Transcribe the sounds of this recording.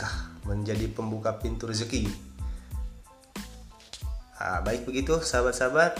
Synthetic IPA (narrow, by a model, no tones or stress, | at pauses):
kahməɲd͡ʒadipəmbukapint̪ʊrzəki | a̰baɪk̚bəɡit̪usabat̪̚sabat̪̚